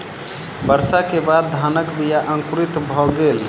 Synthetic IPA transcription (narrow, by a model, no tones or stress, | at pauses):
bəɾsakebad̪̚ːʱanəkbijaʔə̃ŋkɾit̪bʱɔɡel